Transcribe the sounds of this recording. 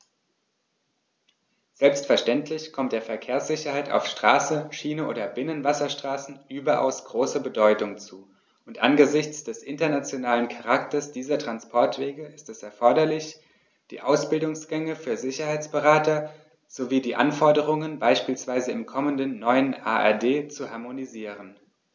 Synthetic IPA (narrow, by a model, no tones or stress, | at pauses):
z̥ɛlpstfɛɐʃtɛntʰlɪçkʰɔmt̚d̥eːɐfɛɐkʰeːɐsz̥ɪçɐhaɪta̰ʊfʃtʁ̥aːsəʃiːnəʔo̰ːdɐbɪnənvasɐʃtʁ̥aːsn̩ʔyːbɐʔa̰ʊsɡ̥ʁoːsəbədɔʏtʊŋt͡suː | ʔʊntʔa̰nɡəzɪçt͡sd̥ɛsʔɪntɐnat͡sjonaːlənkʰaʁaktɐsd̥iːzɐtʁ̥anspʰɔɐtv̥eːɡəʔɪstɛsɛɐfɔɐɾɐlɪç | d̥ḭːʔaʊsb̥ɪldʊŋsɡ̥ɛŋəfyːɐzɪçɐhaɪt͡sb̥əʁaːtɐ | z̥oviːdiːʔa̰nfɔɐdəʁ̞ʊŋənbaɪʃpiːlsv̥aɪzəɪmkʰɔməndənːɔʏənʔa̰ːʔɛ̰ɐdeːt͡suhaɐmoniziːʁ̞ən